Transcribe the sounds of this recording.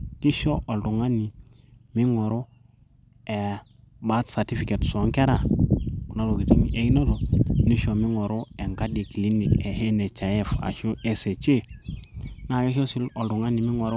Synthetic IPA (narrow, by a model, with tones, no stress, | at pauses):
ki˦ʃo˦ʔo˨ltu˨ŋa˦ni˨ | mi˦ŋo˨ɾo˦ | e˨ | ba˦tsa˨ti˦fi˨ke˨tso˨˦ŋke˦ɾa˨ku˨na˦lo˨ki˨ti˦ni˦ʔe˨i˦no˦to˨ni˦ʃo˨mi˦ŋo˨ɾo˦e˨ŋka˦di˨kli˦ni˨ke˨he˦ne˨t͡ʃa˨ɛ˦˨fa̰˨ʃu˦e˦se˨t͡ʃe˦ | na˨we˦ʃo˦si˦lo˨ldu˨ŋa˦ni˨mi˦ŋo˨ɾo˦